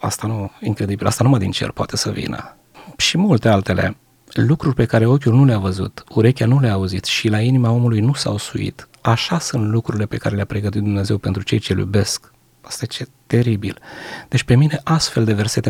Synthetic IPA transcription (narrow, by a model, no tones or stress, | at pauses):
a̰st̪anuiŋkɾe̞d̪ibilast̪anumad̪int͡ʃḛlpoa̰t̪e̞səvḭnə̰ | ʃimult̪e̞alt̪e̞le̞̰ | lukɾurʲpe̞kaɾe̞o̞kʲulnuleavəzṵt̪uɾe̞kʲanuleaːuzit̪ʃilainimao̞mulujnusawsuḭt̪ | aʃasunt̪lukɾuɾile̞pe̞kaɾe̞leapɾe̞ɡət̪it̪̚d̪umne̞ze̞wpe̞nt̪ɾut͡ʃe̞jt͡ʃe̞ljṵbe̞sk | ast̪ajet͡ʃet̪e̞ɾibild̪̥e̞t͡ʃpe̞mine̞ʔast̪fe̞ld̪e̞ve̞rse̞t̪e